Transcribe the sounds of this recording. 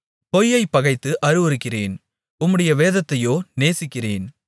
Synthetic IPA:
pɔjːɐɪpːɐɣɐɪt̪ːɯʔɐɾɯʋɐɾɯkːɪreːn | ʊmːɯɽɐjɐʋeːðɐt̪ːɐjoːneːsɪkːɪreːn

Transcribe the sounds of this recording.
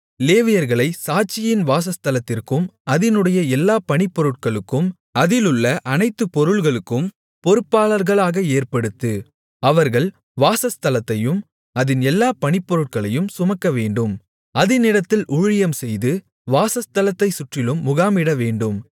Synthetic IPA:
leːʋɪjɐɾɣɐɭɐɪsaːt͡ʃːɪjɪnʋaːs̬ɐst̪ɐlɐt̪ːɪrkɯmɐðɪnɯɽɐjɐɛlːaːpɐɳɪpːɔɾɯʈ̚kɐɭɯkːɯm | ɐðɪlɯɭːɐʔɐnɐɪt̪ːɯpːɔɾɯɭɣɐɭɯkːɯm | pɔɾɯpːaːɭɐɾɣɐɭaːɣɐeːrpɐɽɯt̪ːɯ | ɐʋɐɾɣɐɭ | ʋaːsɐst̪ɐlɐt̪ːɐjɯm | ɐðɪnɛlːaːpɐɳɪpːɔɾɯʈ̚kɐɭɐjɯmsʊmɐkːɐʋeːɳɖɯm | ʔɐðɪnɪɽɐt̪ːɪlʔʊɻɪjɐmsɛjðɯ | ʋaːsɐst̪ɐlɐt̪ːɐɪsʊʈrɪlɯmːʊɣaːmiɽɐʋeːɳɖɯm

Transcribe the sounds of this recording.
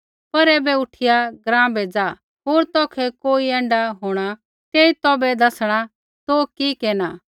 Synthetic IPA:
pɐɾɛːbɛʊʈʰɪjaɡɾãːbɛd͡zaː | ɦoːɾt̪ɔːkʰɛkoːiɛ̃ːɳɖaɦoːɽ̃a | t̪eːit̪ɔːbɛd̪ɐsɽ̃a | t̪okikeːnaː

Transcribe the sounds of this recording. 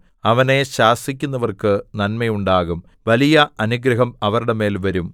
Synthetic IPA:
ɐʋɐne̞ɕaːsikʲːun̪ːɐʋɐrkɨnɐnmɐjuɳɖaːɣum | ʋɐlijɐʔɐnuɡɾɐɦɐmɐʋɐɾuɽe̞me̞ːlʋɐɾum

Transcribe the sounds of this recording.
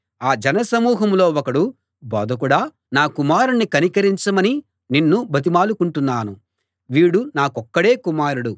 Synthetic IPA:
aːd͡ʒɐnɐsɐmuːɦɐmlo̞ːɔkɐɽu | bɔːd̪ʱɐk̬uɽaː | naːkumaːɾunːikɐnikɐɾiɲt͡ʃɐmɐni | ninːubʱɐt̪̬imaːlukuɳʈunːaːnu | ʋiːɽunaːkɔkːɐɽe̞ːkumaːɾuɽu

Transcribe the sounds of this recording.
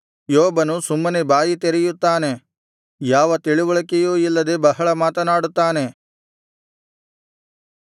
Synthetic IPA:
joːbɐnusumːɐnebaːjit̪eɾɛjut̪ːaːne̞ | jaːʋɐt̪iɭiʋɔɭɐkejuːilːɐd̪ebɐɦɐɭɐmaːt̪ɐnaːɽut̪ːaːne̞

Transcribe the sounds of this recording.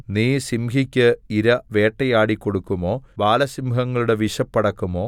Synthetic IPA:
niːsimɦikʲːɨiɾɐʋe̞ːʈːɐjaːɽikːo̞ɽukːumo̞ːbaːlɐsimɦɐŋːɐɭuɽe̞ʋiʂɐpːɐɽɐkːumo̞ː

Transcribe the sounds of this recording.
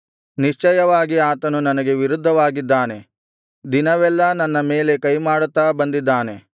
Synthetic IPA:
niʂt͡ʃɐjɐʋaːɡiaːt̪ɐnunɐnɐɡe̞ʋiɾud̪ʱːɐʋaːɡid̪ːaːne̞ | d̪inɐʋɛlːɐnɐnːɐme̞ːle̞kɐjmaːɽut̪ːaːbɐnd̪id̪ːaːne̞

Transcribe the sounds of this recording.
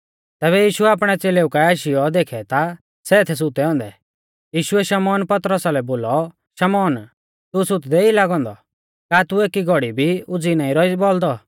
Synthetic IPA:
t̪ɛːβɛjiːʃuɛaːpɽ̃ɛt͡seːleːʊukaaːʃɪjɔd̪eːkʰɛt̪a | sɛɪt̪ʰɛs̬ʊt̪ɛɔ̃ːnd̪ɛ̰ | jiːʃʊɛʃɐmɔːnpɐt̪ɾəsalɛboːlɔ | ʃɐmɔːn | t̪usʊt̪d̪ɛilaːɡɔ̃ːnd̪ɔ | kaːt̪ueːkiɡʱɔɽibʱiʊd͡zinaːĩɾɔibɔld̪ɔ

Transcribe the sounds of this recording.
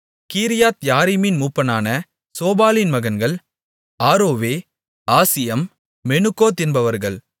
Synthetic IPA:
kiːɾɪjaːt̪jaːɾimɪnmuːpːɐnaːnɐ | soːbaːlɪnmɐɣɐnɡɐɭ | aːɾoːʋeː | aːsɪjɐmː | ɛnɯkːoːt̪ɪnbɐʋɐɾɣɐɭ

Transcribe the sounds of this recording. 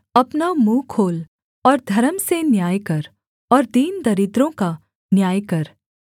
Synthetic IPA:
ɐpnamũːkʰoːl | ɔːɾd̪ʱɐɾəmsenjaːjkɐɾ | ɔːɾd̪iːnd̪ɐɾɪd̪ɾõka | njaːjkɐɾ

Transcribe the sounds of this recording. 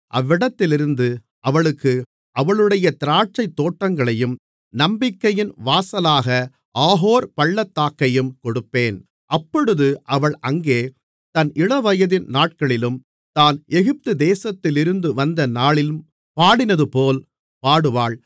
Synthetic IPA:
ʔɐʋːɪɽɐt̪ːɪlɪɾɯnd̪ɯ | ʔɐʋɐɭɯkːɯ | ɐʋɐɭɯɽɐjɐt̪ɪɾaːʈ̚t͡ʃɐɪt̪ːoːʈːɐŋɡɐɭɐjɯm | nɐmbɪkːɐjɪnʋaːsɐlaːɣɐ | ʔaːɦoːɾpɐɭːɐt̪ːaːkːɐjɯmkɔɽɯpːeːn | ʔɐpːɔɽɯðɯʔɐʋɐɭʔɐŋɡeː | t̪ɐnʔɪɽɐʋɐjɐðɪnnaːʈ̚kɐɭɪlɯm | t̪aːnɛɣɪp̚t̪ɯd̪eːsɐt̪ːɪlɪɾɯnd̪ɯʋɐnd̪ɐnaːɭɪlɯm | paːɽɪnɐðɯpoːl | paːɽɯʋaːɭ

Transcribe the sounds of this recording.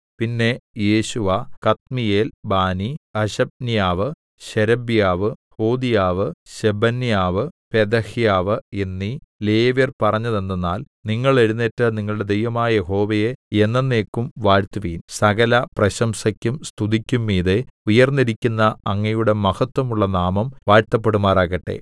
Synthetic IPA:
pinːe̞je̞ːɕuʋɐkɐt̪̚mije̞ːlbaːniɐɕɐb̚nijaːʋɨ | ɕeɾɐbjaːʋɨhoːd̪ijaːʋɨɕebɐnːijaːʋɨpe̞d̪ɐhijaːʋɨenːile̞ːʋjɐrpɐrɐɲːɐðenːenːaːl | niŋːɐɭe̞ɻunːetːɨniŋːɐɭɽe̞d̪ejʋɐmaːjɐjeɦo̞ːʋɐjeenːenːe̞ːkːumʋaːɻt̪uʋiːnsɐɣɐlɐprɐɕɐmsɐkʲːumst̪ud̪ikʲːumːiːðeujɐrnːiɾikʲːunːɐɐŋːɐjuɽe̞mɐhɐt̪ːwɐmuɭːɐnaːmɐmʋaːɻt̪ːɐp̬ːe̞ɽumaːraːɣɐʈːe̞̰

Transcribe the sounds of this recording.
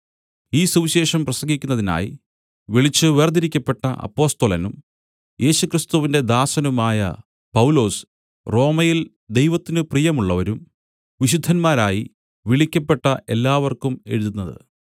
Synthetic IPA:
iːsuʋiɕe̞ːʂɐmprɐsɐŋɡikʲːunːɐðina̰ːji | ʋiɭit͡ɕːɨʋeːrd̪iɾikʲːɐpːe̞ʈːɐʔɐ̰pːo̞ːst̪olɐnum | jʔe̞ːɕukrist̪uʋinde̞d̪aːsɐnumaːjɐ̰ | pɐwulo̞ːs | ro̞ːmɐjil | d̪e̞jʋɐt̪ːinɨprijɐmuɭːɐʋɐɾum | ʋiɕud̪ʱːɐnmaːɾaːji | ʋiɭikʲːɐpːe̞ʈːɐʔe̞lːaːʋɐrkume̞ɻuðunːɐðɨ̰

